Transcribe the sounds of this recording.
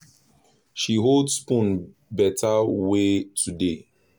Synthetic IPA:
ʃiɦoldspũn | bɛtʰawetʰude

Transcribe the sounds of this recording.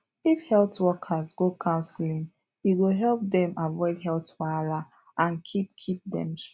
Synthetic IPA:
ifhɛltwɔkʰazɡokʰãʊ̃nslĩŋ | iɡoɦɛlp̚dɛ̃mavɔɪdɦɛltpala | ʔãnkʰip̚kʰip̚dɛ̰̃ms

